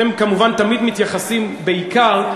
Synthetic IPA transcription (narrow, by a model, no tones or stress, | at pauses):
emkamuvant̪amid̪mit̪jaχasimbe̞ikaʁ